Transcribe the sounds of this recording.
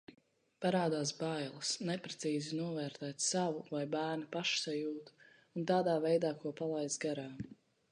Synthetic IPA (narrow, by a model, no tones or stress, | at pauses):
paɾaːd̪aːsbajlˠɐsnɛpɾɛt̪siːzinuɔvɛːɾt̪ɛːt̪savuvajbæːɾnipaʃsajuːt̪ | unt̪aːd̪aːvɛjd̪aːkuɔpalˠajd̪zɡaɾaː